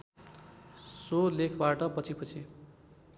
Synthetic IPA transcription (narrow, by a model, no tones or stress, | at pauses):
solekʰbaʈʌpʌt͡sʰipʌt͡sʰi